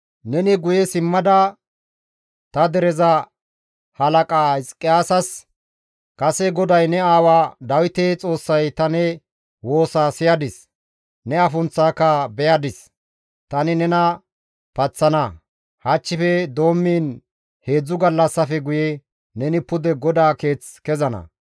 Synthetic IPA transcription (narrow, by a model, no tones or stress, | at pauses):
nɛnɪɡʊjɛsɪmːɐd̪ɐ | t̪ɐd̪ɛɾɛzɐ | hɐlɐkʼaːɪskʼːɪjaːsɐs | kɐsɛɡɔd̪ɐjnɛaːwaːd̪ɐwɪt̪eːt͡sʼo̞ːsːɐjt̪ɐnɛ | wo̞ːsaːsɪjɐd̪ɪs | nɛɐfʊnt͡sːaːkːɐbɛjɐd̪ɪs | t̪ɐnɪnɛnɐ | pɐt͡sːɐnɐ | hɐt͡ʃːɪfɛd̪o̞ːmːiːn | he̞ːd͡zːʊɡɐlːɐsːɐfɛɡʊjɛ | nɛnɪpʊd̪ɛɡɔd̪aːke̞ːt͡skɛzɐnɐ̰